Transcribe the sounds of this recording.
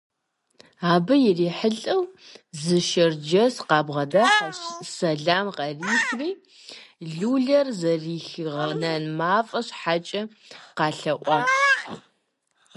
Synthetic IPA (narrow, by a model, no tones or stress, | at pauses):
aːbɨjɪriːħəɬʼɐwzɨʃɐrd͡ʒɐsqɑːbʁɐdaːħaɕsɐɮaːmqɐriːxriː | ɮuːɮɐrzɐriːxʁɐnɐnmaːfʼɐɕħat͡ʃʼɐ | qɑːɬɐʔʷʼɑː